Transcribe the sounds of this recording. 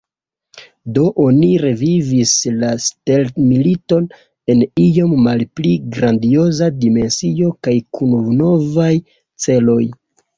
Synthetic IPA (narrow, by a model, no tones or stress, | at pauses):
do̞ʔo̞niɾe̞vivislasteltmilito̞n | e̞nijo̞mːalpliɡɾandio̞zadime̞nsio̞kajkʰunuvno̞vaj | t͡se̞lo̞j